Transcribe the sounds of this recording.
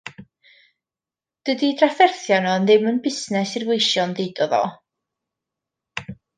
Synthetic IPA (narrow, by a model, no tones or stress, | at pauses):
d̥ədidraθɛrθjanɔənðɪmənbɪsnɛsirɡwejʃjɔnðedɔðɔ̰